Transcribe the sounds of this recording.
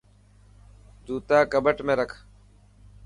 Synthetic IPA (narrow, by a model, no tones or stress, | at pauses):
d̪uːt̪aːkəbəʈmẽːɾəkʰ